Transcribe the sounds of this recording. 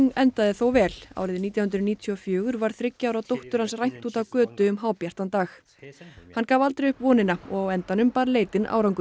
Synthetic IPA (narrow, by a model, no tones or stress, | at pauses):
ŋɛnt̪aðɪθowvɛːla̰ːwɾɪðɪniːt̪jahʏnt̪ɾʏniːt̪ʰjɔfjʏːɣʏɾvaɾ̥θɾɪcːawɾawt̪owht̪ʏɾ̥hansrajn̥t̪uːt̪awkœːt̪ʏʏmɦaːwpjar̥t̪ant̪aːx | hankaːvalt̪ɾejʏhpvɔːnɪnaɔɣawɛnt̪anʏmpaːɾleːjt̪ɪna̰wɾawŋkʏ